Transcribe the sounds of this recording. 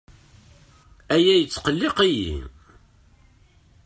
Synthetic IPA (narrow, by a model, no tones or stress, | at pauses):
æjæjət͡sːqəlːɪqijḭ